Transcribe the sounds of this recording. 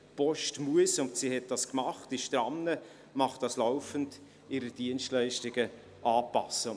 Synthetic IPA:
pɔʃtmuəsʊntsihɛt̚d̥ɑskmɑχtɪʃtɾɑnːə | mɑχtd̥ɑslaʊfənd | ɪɾəd̥iənstlɛɪʃtɪɡ̥ə | ʔɑːpɑsːə

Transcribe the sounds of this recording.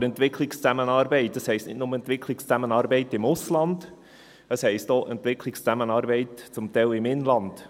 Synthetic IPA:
ɾɛnt̪ʋɪkʰlɪkst͡sæmənɑːɾbɛɪtdɑshɛɪstnɪtnʊməɛnt̪ʋɪkʰlɪkst͡sæmənɑːɾbɛɪtɪmʊslɑnd̪̥ | əshɛɪstoːʔɛntʋɪkʰlɪkst͡sæmənɑːɾbɛɪtt͡sʊmtɛɪlɪmɪnlɑnd̥

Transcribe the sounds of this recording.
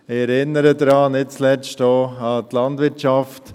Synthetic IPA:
ɪɛɾɪnːəɾədɾɑːnɪt͡slɛt͡ʃtoɑtlɑndvʋɪɾtt͡ʃɑft

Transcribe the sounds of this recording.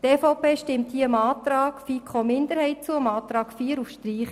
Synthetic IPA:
teːfɔʊpeːʃtɪmt̪hiəəmɑːt̪rɑːkfiːkχoːmɪnd̪əɾhɛɪt͡suəəmɑːt̪ɾɑːkfiːəɾufʃtriːχ

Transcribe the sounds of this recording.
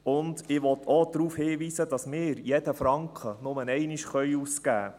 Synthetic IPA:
ʊndɪʋɔtʰod̪ɾuːfhɪːʋiːsəd̥ɑsmɪːɾjɛd̥əfɾɑŋkχənʊmənɛɪniʃχœʏuːskæː

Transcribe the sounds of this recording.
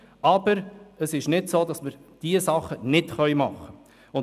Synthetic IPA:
ɑbəɾəsɪʃnɪtsoːdɑsməɾd̥iəsɑχːənɪtχœʏmɑχːə | ʊn

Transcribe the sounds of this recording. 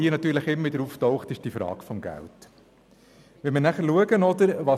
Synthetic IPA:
iːənɑt̪yːɾləχɪmːəʋɪd̪əɾuftɔʊχtɪʃd̥ifɾɑ̰ːɡ̥fɔmɡæ̰lt | ʋɛmənæχəɾluəɡənɔd̪əɾʋɑ

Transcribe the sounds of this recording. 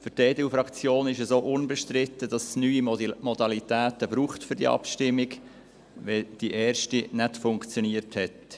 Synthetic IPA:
fʏɾteːdilfɾɑkt͡sjoːnɪʃəsoːʔʊnbɛʃtɾɪtːəd̥ɑssnyːimɔdɑlitæːtəb̥ɾuːχtfʏɾdḭə̰ɑ̰pʃtɪmːɪɡ | ʋɛd̥iʔɛːrʃtinɛtfʊŋkt͡sjoniəɾthɛt

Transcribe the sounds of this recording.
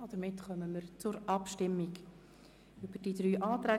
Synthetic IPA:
od̥̪əɾmɪtχœməməɾt͡sʊɾɑpʃtɪmːiɡ | ʏb̥əɾd̥idɾyːʔɑːt̪ɾæː

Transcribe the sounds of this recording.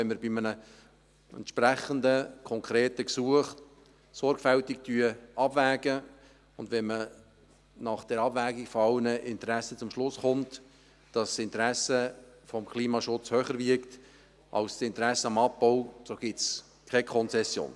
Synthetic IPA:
ɛnməɾbɪmənə | ɛ̰nt̪ʃpɾæχəndəkʰɔŋkʰɾeːtəksuəχ | sɔɾɡfɛltɪktyəɑb̥væːɡ̥ə | ʊndʋɛnmə | nɑχd̥ɛɾɑbvæːɡiɡ̥fɔɑʊnəʔɪntɾæsət͡sʊmʃlʊsχʊnt | d̥ɑsɪntəɾæsə | fɔmkʰliːmɑʃʊt͡shøχəɾvɪkt | ʔɑ̰lssɪntɾæsːəɑmɑpːɔʊsoɡ̥ɪts | kʰɛkʰɔnt͡sɛsjo̰ːn

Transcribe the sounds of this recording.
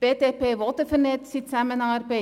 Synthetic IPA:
b̥eːteːpeːvɑlˠtəfərnɛtsitsæmənɑːrpe

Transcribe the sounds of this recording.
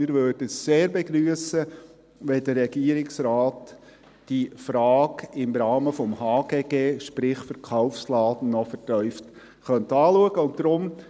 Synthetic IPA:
ɪɾʋøːɾdəəsseːɾbɛɡɾyəsə | ʋɛdəɾɛɡ̥iːəɾɪksɾɑːt | d̥ifɾɑːɡɪmɾɑːməfɔmhɑːɡ̥eːɡeːʃpɾɪχfəɾkʰaʊfslɑːdən̩nɔfɛtœʏft | χœntɑːluəɡəʊntd̪ɾʊm

